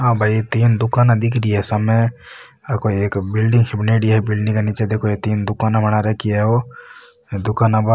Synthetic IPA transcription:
ɦãːbʱait̪iːnd̪ʊkaːnad̪ɪkʰɾiɛsɐmẽ | akoeːkbɪlɖɪ̃ŋɡhʰɪbneːɖiɦɛbɪlɖɪ̃ŋkaniːt͡ʃed̪eːkʰoet̪iːnd̪ʊkaːnamɐnaɾɛkiɛɦo | d̪ʊkaːnaba

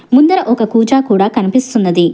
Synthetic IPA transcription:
mund̪ɐɾɐʔɔkɐkuːd͡ʒaːkuːɽaːkɐnipist̪unːɐd̪i

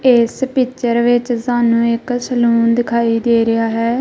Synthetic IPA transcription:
espiːt͡ʃəɾʋɪt͡ʃsaːnũːɪksəlũːnd̪ɪkʰaːiːd̪eːɾɪjaːɦɛː

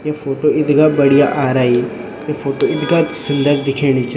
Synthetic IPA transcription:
jaːfʰoːʈoːɪd̪ɡaːbəɽija̰ːʔaːɾaːi | jefʰoːʈoːɪd̪ɡaːsʊnd̪əɾd̪ɪkʰeːñit͡ʃ

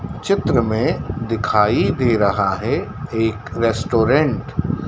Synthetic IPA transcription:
t͡ʃɪt̪ɾəmẽd̪ɪkʰaːid̪eːɾɐɦaɦɛeːkɾɛːsʈoːɾẽɳʈ

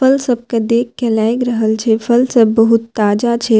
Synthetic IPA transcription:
fʰəlsəb̚kad̪eːk̚kːɛlaːjkɾəɦəlt͡ʃʰepʰəlsəbːəɦʊt̪ːaːd͡ʒat͡ʃʰe

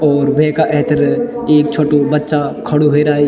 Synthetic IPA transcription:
ɔːɾʋɛːkaʔɛɦt̪əɾeːk̚t͡ʃʰoːʈobɐtːʃakʰɐɽuɦeɾaːi

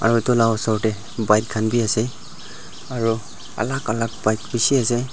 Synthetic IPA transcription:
a̰ɹutʊlawɔsɔɹtɛ | bajt̚kʰanbiasɛ | aɹu | a̰lakalak̚bajtbisiasɛ

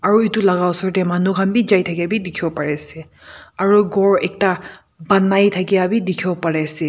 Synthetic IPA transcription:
aɹuitulaɡawsɔɹtemanukʰambid͡ʒajtʰakiabidikʰiɔpaɹɛse | aɹuɡɔɹek̚ta | banːajtʰakiabidikʰiɔpaɹɛse

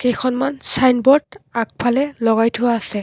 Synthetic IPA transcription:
kejxʰɔnmansajnbɔɹdak̚pʰalɛlɔɡajtʰʊwaːsɛ

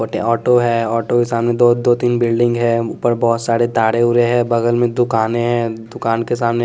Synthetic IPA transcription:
ʈḛɔːʈoɦɛɔːʈokesaːmned̪od̪oːt̪iːnbɪlɖɪ̃ŋɡɦɛ̃ʊpəɾbɔːʊt̪saːɾet̪aːɽeʊɾeɦɛ̃bɐɡəlmẽd̪ʊkaːneɦɛ̃d̪ʊkaːnkesaːmne

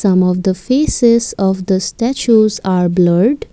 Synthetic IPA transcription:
sʌ̃mɔʋd̪əfeːsɪzɔʋd̪əsʈæt͡ʃuzaːɾbləɾɖ

